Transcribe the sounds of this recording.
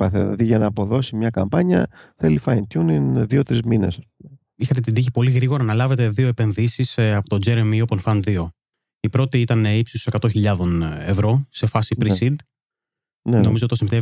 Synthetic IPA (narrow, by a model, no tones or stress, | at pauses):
pɐθḛlɐ̰ðiʝɐnɐːpo̞ðo̞simɲɐkɐ̰mpɐɲɐ̰θelifɐint̪juninðio̞t̪ɾizminḛsɐspume | ixɐt̪̬et̪id̪içipo̞liɣɾiɣo̞ɾɐnɐlɐve̞t̪e̞ðio̞epe̞nðisisɐpot̪od͡ʒe̞ɾemiopenfɐnðio̞ | ipɾo̞t̪iit̪ɐneipsisose̞kɐt̪o̞çiʎɐðo̞ne̞vɾo̞se̞fɐsipɾisid̪ | neno̞mizot̪osimet̪e